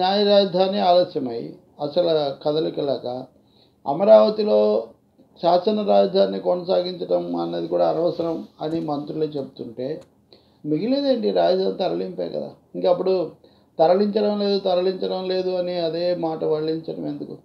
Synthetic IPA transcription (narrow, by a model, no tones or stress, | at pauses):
njaːjɐɾaːd͡ʒɐd̪ʱaːniaːloːsjɐmɐjḭ | ɐsɐlɐkɐd̪ɐlkilaːkɐ | ɐ̰mɐɾaːʋɐt̪iloː | ʃaːsɐnɐɾaːd͡ʒɐd̪ʱaːnːikɔnɐsaːɡiɲt͡ʃɐʈɐmɐ̰nːɐːd̪ikuːɽaːɐnɐʋɐsɐɾɐmɐnimɐnt̪ɾuɭeːt͡ʃe̞but̪uɳʈe̞ː | miɡilid̪e̞ːɳʈiɾaːd͡ʒɐd̪ʱaːnit̪ɐɾɐɭimpaːjɐ̰kɐ̰d̪a̰ː | iŋkɐɐp̬ːuɽu | t̪ɐɾɐɭiɲt͡ʃɐɽɐmle̞ːd̪ut̪ɐɾɐliɲt͡ʃɐɽɐmle̞ːd̪uɐniɐd̪e̞ːmaːʈɐʋɐɭːiɲt͡ʃɐɽɐme̞nd̪uku